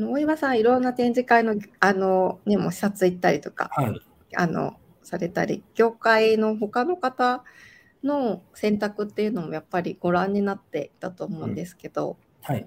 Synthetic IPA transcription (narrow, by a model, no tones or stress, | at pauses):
anoːiβasãɰ̃iɾõ̞nːat̪ẽ̞ɲ̟d͡ʑikaino̞ano̞nemo̞ɕi̥sat͡sɨit̪ːaɾʲit̪o̞ka̰ | a̰no̞̰ | saɾe̞t̪aɾʲḭɡ̥ʲo̞ːkaino̞ɦo̞kano̞kat̪a | no̞sẽ̞nt̪akɯ̟t̪ːe̞iɯ̟no̞mo̞japːaɾʲiɡ̥o̞ɾãɲ̟ːinat̪ːe̞it̪at̪o̞ːmo̞ɯ̟̰̃nd̪e̞sɨ̥ke̞d̪̥o̞̰ | ha